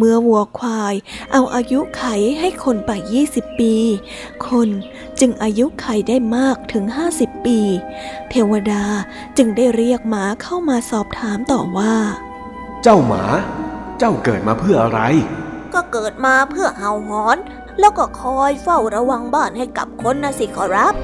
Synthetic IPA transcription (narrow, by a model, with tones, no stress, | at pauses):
mɯ˧əwu˨˩əkʰwaː˧jʔa˧wʔaː˧ju˦˥kʰa˨˩˦jɦa˥˩jkʰo˧npa˨˩jːiː˥˩si˨˩pːiː˧ | kʰo˧n | t͡ɕɯ˧ŋʔaː˧ju˦˥kʰa˨˧˩jdaː˥˩jmaː˥˩k̚t̪ʰɯ˩˦ŋɦaː˥˩si˨˩pːiː˧ | t̪ʰeː˧wa˧daː˧ | t͡ɕɯ˧ŋdaː˥˩jɾi˥˩ək̚maː˩˦kʰa˥˩wmaː˧sɔː˨˩p̚t̪ʰaː˩˦mt̪ɔː˨˩waː˥˩ | t͡ɕa˥˩wma̰ː˩˦t͡ɕa˥˩wkɤː˨˩t̪̚maː˧pʰɯ˥˩ɐʔa˧ɾa˧jkɔː˥˩kɤː˨˩t̪̚maː˧pʰɯ˥˩əɦa˨˩wɦɔː˩˦n | lɛː˦˥wkɔː˥˩kʰɔː˧jfa˥˩wɾa˧wa˧ŋbaː˥˩nha˥˩jka˨˩p̚kʰo˧˥nːaː˧˥si˨˩kʰɔː˧˩ɾa˦˥p̚